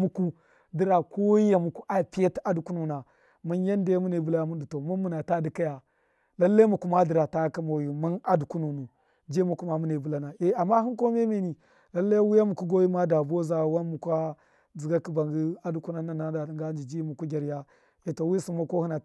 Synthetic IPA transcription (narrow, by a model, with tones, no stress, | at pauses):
mu˨ku˦ | di˦ɾa˨ko˦i˦ja˨mu˨ku˦ʔa˨pi˦ja˦ta˦du˨ku˦nu˨na˨ | mu˦n˦ja˦nde˦mu˦ne˨bu˨la˦ja˦mu˦n˦du˨to˨mu˦nmu˨na˨ta˦di˨ka˦ja˨ | la˦lːa˦mu˨ku˨ma˦di˨ɾa˨ta˦ka˦mo˨ju˨mu˦na˦du˨ku˦nu˨nu˨ | d͡ʒe˦mu˨ku˦ma˨mu˦ne˨bu˨la˦na˨e˦a˨mːa˦ɦi˦ko˦me˦me˨ni˨ | la˦lːa˦ji˦wu˦ja˦mu˨ku˦ɡo˦ji˦ma˦da˨bo˦za˨wa˦nmu˨kʷa˦ | d͡zi˨ɡa˦ki˦ba˨ŋɡi˦a˦du˨˦ku˦na˦na˨na˨˦da˨ŋɡa˦nd͡ʒi˨d͡ʒi˦mu˨ku˦ɡʲa˨ɾja˦ | e˨to˨wi˦si˨ma˦ko˦hi˦na˨